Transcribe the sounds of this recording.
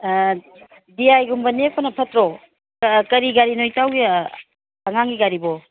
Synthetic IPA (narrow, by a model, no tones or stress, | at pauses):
diajɡumbɐnepʰɔnɐpʰɐtɾo | kɐɾiɡaɾinojtawɡi | ɐŋaŋɡiɡaɾibo